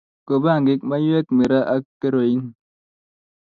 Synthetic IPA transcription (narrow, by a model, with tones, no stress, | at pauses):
ko˨ba˦˨ŋɡi˦k̚ma˦ju˦e˦kmi˨ɾa˦ʔa˦kːe˦ɾo˨i˦ŋ